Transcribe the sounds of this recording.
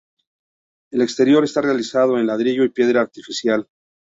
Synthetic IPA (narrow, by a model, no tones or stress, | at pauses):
e̞le̞kst̪e̞ɾjo̞ɾe̞st̪arealisað̞oe̞nlaðɾiʝo̞ipje̞ðɾaːɾt̪ifisjal